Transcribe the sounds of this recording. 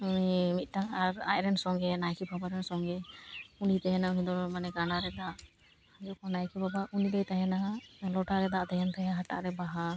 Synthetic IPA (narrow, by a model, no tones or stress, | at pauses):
unimit̪̚ˀtaŋaɾa̰jɾɛnsɔŋɡɛnajkʰibʱabaɾɛnsɔŋɡɛunit̪ɛɦɛnaunid̪ɔɾmanɛɡanaɾɛd̪aʔ | d͡ʒukɔnajkʰibʱabaʔunid̪ɛjt̪aɦɛnalɔʈaɾɛd̪aʔd̪ɛɦɛnt̪ajaɦata̰ʔɾɛbaɦa